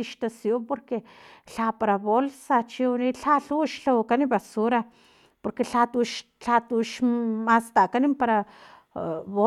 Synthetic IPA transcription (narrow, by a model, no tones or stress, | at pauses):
iʃt̪asjompoɾkeɬapaɾaβolsat͡ʃiwniɬaɬuʃɬawkaniβasuɾa | poɾkeɬat̪uʃ | ɬat̪uʃmast̪aʔkanimpaɾa | βo